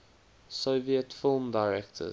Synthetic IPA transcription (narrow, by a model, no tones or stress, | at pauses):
soviətfɪlˠmdaɪɹɛk̚tʰə̰